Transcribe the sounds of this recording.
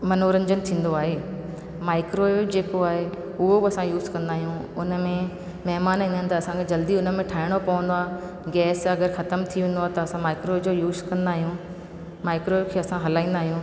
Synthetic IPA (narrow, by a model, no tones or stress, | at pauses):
mɐnoːɾɐ̃ɲd͡ʑənɪ̆t̪ʰĩːn̆d̪oaːɦeː | maːɪkɾod͡ʑeːkoaːɦe | ʊɦobɪɐsãjuːzkɐ̃nd̪aːɦijũʊnə̆mẽ | mɐɦmaːnĩːnənɪ̆t̪ɐɐsãkʰed͡ʑɐld̪iʊnə̆mẽʈʰaːɦɪɽ̃opɐʋə̃nd̪oaː | ɡɛːsɐɡəɾxɐt̪əmt̪ʰiʋẽːnd̪oaːɦet̪ɐɐsãmaːɪkɾod͡ʑoːjuːzkɐ̃nd̪aːɦijũː | maːɪkɾoɪkʰeːɐsãɦɐlaːĩːn̆d̪aːɦijũː